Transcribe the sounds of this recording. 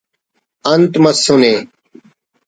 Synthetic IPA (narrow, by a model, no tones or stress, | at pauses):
ɐnt̪mɐsːuneː